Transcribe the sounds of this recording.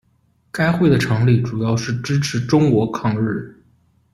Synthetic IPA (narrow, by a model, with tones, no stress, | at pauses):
ka˥ɪxwe˥˩ɪd̪ə˩ʈ͡ʂʰɤ˧˥ŋli˥˩ʈ͡ʂu˨˩jɑ˥˧ʊʂɻ̩˥˩ʈ͡ʂɻ̩˥ʈ͡ʂʰɻ̩˧˥ʈ͡ʂʊ˥ŋkwɔ˧˥kʰɑ˥˧ŋɻɻ̩˥˩